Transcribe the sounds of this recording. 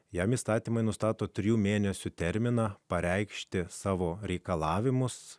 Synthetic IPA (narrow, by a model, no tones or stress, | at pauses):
jɛmiːst̪ɑːt̪ʲiːmɐɪnʊst̪ɑːt̪oːt̪ʲɾʲɪjuːmʲeːnʲɛsʲʊt̪ʲɛɾʲmʲɪnɑːpɐɾʲɛɪkʃʲt̪ʲɪsɑːʋoːɾʲɛɪkɐlˠɑːʋʲɪmʊs